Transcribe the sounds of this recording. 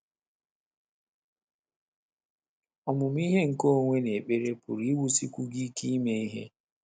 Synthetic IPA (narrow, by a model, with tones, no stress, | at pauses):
ɔ˨mʊ˨m˦i˦ɦe˦ŋ̩˨ko˦o˦ŋʷe˦ne˨k͡pe˦ɾe˦pʊ̰˨ɾi˨˦i˦wu˦si˦kʷu˦ɡi˦ki˦i˦me˦i˦ɦḛ˦